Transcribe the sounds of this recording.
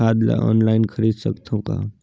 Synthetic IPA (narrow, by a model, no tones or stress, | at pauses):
aːd̪la̰ʔɔ̰ːnlaːɪnkʰəɾiːd̪səkt̪ʰõka̰ː